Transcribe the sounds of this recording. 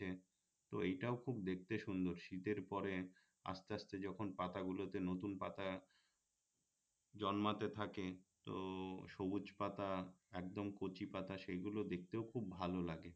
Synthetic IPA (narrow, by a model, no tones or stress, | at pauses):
e | t̪oejʈaokʰubd̪ek̚t̪eʃund̪oɾʃit̪eɾpɔɾe | a̰st̪east̪ed͡ʑɔkʰonpat̪aɡulot̪enot̪unpa̰t̪a | d͡ʑɔnmat̪et̪ʰaket̪o̰ʃobud͡ʑpat̪aɛkd̪omkot͡ɕipat̪aʃejɡulod̪ek̚t̪eokʰubːʱalolaɡe